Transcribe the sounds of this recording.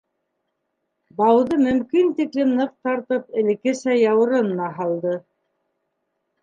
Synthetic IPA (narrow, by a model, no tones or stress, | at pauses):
bɑwðɤmɵ̆mkint̪iklɘmnɤq̚t̪ɑɾt̪ɤpɘ̆lɘ̆kɘ̆sæjɑwɤ̆ɾɤnnɑɦɑlˠd̪ɤ